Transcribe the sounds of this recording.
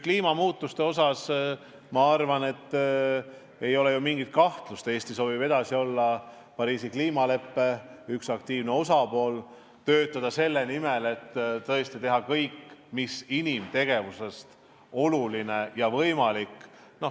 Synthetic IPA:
kliːmɑmuːt̪ːˑust̪e̞o̞s̬ɑs | mɑɑrvɑne̞t̪ː | e̞jo̞le̞jumiŋɡ̥it̪̚kɑht̪lust̪e̞ːst̪iso̞ːvibe̞d̪̥ɑsio̞lːɑ | pɑɾiːsikliːmɑle̞pːe̞yksɑk̚t̪iːvne̞o̞sɑpo̞ːl | t̪ø̞ːt̪ːˑɑd̪̥ɑse̞lːe̞nime̞le̞t̪ːt̪ɤest̪it̪e̞ɦɑkɤjkːmisinimt̪e̞ɡ̥e̞vuse̞st̪ | o̞luline̞jɑvɤjmɑlik | no̞

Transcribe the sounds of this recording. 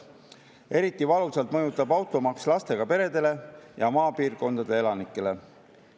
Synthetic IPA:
e̞ɾit̪ːˑivɑlusɑlt̪mɤjut̪ːˑɑbɑwt̪ˑo̞mɑkslɑst̪e̞ɡ̥ɑpe̞ɾe̞d̪e̞le̞jɑmɑːpiːrko̞nd̪ɑd̪e̞elɑnikːˑe̞le̞

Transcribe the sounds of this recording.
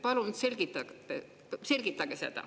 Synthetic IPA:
pɑlunse̞lɡ̥it̪ːˑɑe | se̞lʲɡ̥it̪ːˑɑɡ̥esed̪̥ɑ̰

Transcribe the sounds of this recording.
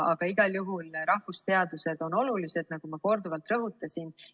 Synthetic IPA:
ɑɡ̥ɑiɡ̥ɑljuɦulɾɑhvust̪e̞ɑd̪use̞d̪̥o̞no̞lulise̞d̪̥nɑɡ̥umɑko̞rd̪uvɑlt̪rɤɦut̪ːˑɑsʲin

